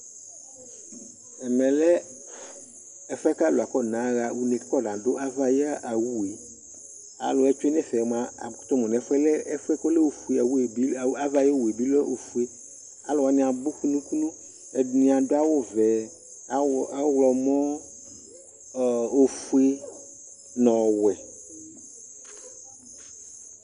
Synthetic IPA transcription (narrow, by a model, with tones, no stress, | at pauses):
ɛ˨mɛ̃˨lɛ˦ | ɛ˨fɛ˦ka˦lo˨a˨kɔ˦nã˨˦ɣa˨wu˨ne˨˦kɔ˦dã˨do˦ʔa˦va˦ja˦ʔa˨wu˦we˨ | a̰˨lo˨˦ɛ˦t͡ʃo˦e˦n˦ɛ̃˦˨fɛ˨m˨ã˦˨t̪o˦mõ˨nɛ̃˨˦fɛ˦le˦ɛ˦fɛ˦ko˦le˦wo˦fu˨e˨a˨wu˦e˨i˦˨˦a˦va˦jo˦wu˨e˨bi˦lo˦ʔo˨fu˦e˦ | a˨lo˨a˨nĩ˨ã˨bo˦ku˦nũ˦ku˦nũ˦ | ɛ˨nĩ˨a˨do˦a˦wo˦vɛ˨˦ | wlɔ˨mɔ̃˦˨ | o˨fu˦e˦ | nɔ̃˨wɛ˨